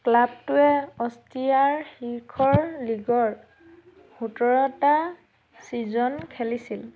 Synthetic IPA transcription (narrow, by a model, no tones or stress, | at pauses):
klab̚tʊɛɔstiaɹxiɹkʰɔɹliɡɔɹ | hutɔɹɔta | sizɔnkʰɛlisil